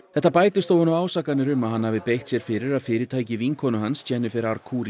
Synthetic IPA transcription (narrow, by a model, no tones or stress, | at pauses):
θɛht̪ːapaːjt̪ɪst̪owhɔnaaːwsakanɪɾʏmaðhanhavɪpejxt̪sjɛɾ̥fɪɾɪɾaðfɪːɾɪɾt̪ʰaːjcɪviŋkʰɔnʏɦanscʰɛnːʏfɪɾaɾkʰuːɾi